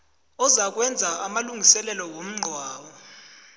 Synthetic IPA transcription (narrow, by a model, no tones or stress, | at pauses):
ɔzak̬wɛnd͡zʱaamaluŋɡʱisɛlɛlɔwom̩ŋ͡ǃʱwaːwɔ